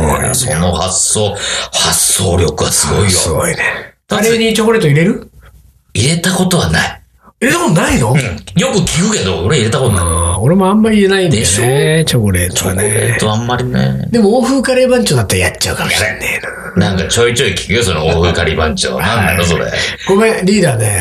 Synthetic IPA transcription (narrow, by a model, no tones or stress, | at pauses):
so̞nohasːoːhasːoːɾʲjo̞kɯ̟βa̰sɨɡo̞ijosɨɡo̞ine̥d̪aɾeɲ̟it͡ɕo̞koɾe̞ːt̪oiɾe̞ɾɯ̟ | iɾe̞t̪ako̞t̪o̞βanai | ed̪monaino̞ɯ̃jo̞kɯ̟kʲikɯ̟ke̞d̪o̞oɾeiɾe̞t̪akot̪onao̞ɾe̞moãmːaɾʲiɾe̞naĩneset͡ɕo̞koɾe̞ːt̪ooa̰net̪oamːaɾʲinḛd̪e̞mo̞oːɸɯ̟ːkaɾeːbãɲ̟t͡ɕoːd̪at̪ːaɾajat͡ɕt͡ɕːaɯ̟kamaanen | nãŋkat͡ɕo̞it͡ɕo̞ikʲi̥kɯ̟joso̞nooːɸɯkaɾibãɲt͡ɕo̰ːnãnd̪a̰oso̞ɾḛɡ̥omeɾʲiːd̪aːne